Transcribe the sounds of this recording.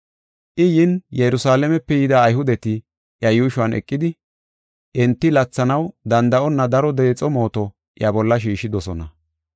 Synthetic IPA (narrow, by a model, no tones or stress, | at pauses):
ʔɪjɪnjɛɾʊsaːlɛmɛpːɛjɪd̪ɐːjɦʊd̪ɛt̪ɪ | ʔjɐjuːʃʊɐnʔɛ̰kʼːɪd̪ɪ | ʔɛnt̪ːɪlɐt͡sːɐnɐwd̪ɐnd̪ɐʔɔnːɐd̪ɐɾɔd̪e̞ːt͡sʼɔmo̞ːt̪ɔ | ʔjɐbɔlːɐʃ̬iːʃːɪd̪ɔsɔnɐ